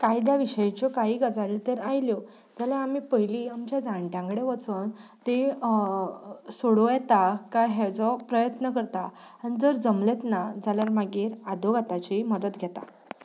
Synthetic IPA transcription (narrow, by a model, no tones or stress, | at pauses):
kajd̪jaʋiɕəjet͡ɕɔkaɦiːɡəd͡zaɾilt̪eɾajljɔ | d͡zaljaamiːpəɦiliːamt͡ɕjad͡zãɳʈãŋɡɽeʋət͡sont̪e | soɽojɛt̪akaɦɛd͡zɔpɾəjət̪nəkəɾt̪a | añid͡zəɾd͡zəmlet̪nad͡zaljaɾmaɡiːɾad̪oɡʱat̪at͡ɕiməd̪ət̪ɡʱɛt̪a̰